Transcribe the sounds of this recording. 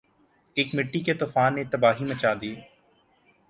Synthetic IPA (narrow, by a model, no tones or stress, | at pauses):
eːkmɪʈːiket̪oːfaːnːet̪ɐbaːɦimɐt͡ʃaːd̪ieː